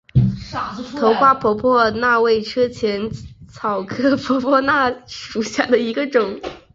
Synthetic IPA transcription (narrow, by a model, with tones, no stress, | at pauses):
t̪ʰo˧˥ʊxwa˥˩pʰwɔ˧˥pʰwɔ˥˧na˥˧we˥˩ɪʈ͡ʂʰɤ˥t͡ɕʰjɛ˧˥nt͡sʰɑ˨˩ʊkʰɤ˥pʰɔ˧˥pʰwɔ˥˧na˥˩ʂu˨˩ɕja˥˩d̪ə˩i˧˥ɡə˧ʈ͡ʂʊ˨˩˦ŋ